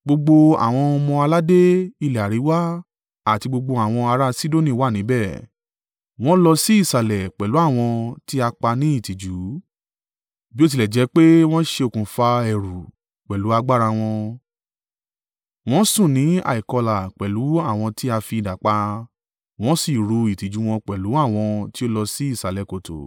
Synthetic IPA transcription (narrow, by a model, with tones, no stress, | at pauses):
ɡ͡bo˧ɡ͡bo˧a̰˨w̃ɔ̃˧mɔ̃˧a˧la˦de˦i˧lɛ˨a˨ɾi˨˦wa˦ | a˦˨ti˧ɡ͡bo˧ɡ͡bo˧a˨w̃ɔ̃˧a˧ɾa˦si˦do˦˨nĩ˦˨wa˦˨nĩ˨˦bɛ˦˨ | w̃ɔ̃˦lɔ˧si˦i˦˨sa˨lɛ˨k͡pɛ˨lu˨˦a˦˨w̃ɔ̃˧ti˦a˧k͡pa˧nĩ˦i˦˨ti˨d͡ʒu˨˦ | bi˦o˦t̬i˧lɛ˨d͡ʒɛ˨˧˦k͡pe˦w̃ɔ̃˦ʃe˧o˨kũ˨fa˧ɛ˨ɾu˨ | k͡pɛ˨lu˨˦a˧ɡ͡ba˦ɾa˧w̃ɔ̃˧ | w̃ɔ̃˦sũ˦˨nĩ˨˦a̰˨i˨kɔ˧la˨k͡pɛ˨lu˨˦a˦˨w̃ɔ̃˧ti˦a˧fi˧˨da˨k͡pa˧ | w̃ɔ̃˦si˦˨ɾu˧i˨ti˨d͡ʒu˨˦w̃ɔ̃˧k͡pɛ˨lu˨˦a˦˨w̃ɔ̃˧ti˦o˦lɔ˧si˦i˦˨sa˨lɛ˨ko˨to̰˨